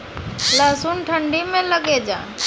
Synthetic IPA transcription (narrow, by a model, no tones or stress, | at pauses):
laːsuːnʈʰəɳɖimẽləɠeːd͡ʒã̰ː